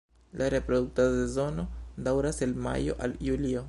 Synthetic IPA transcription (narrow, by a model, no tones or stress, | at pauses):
lʔaɾepɾod̪uk̚tadodezo̞no̞d̪awɾaselma̰jo̰ʔaljulio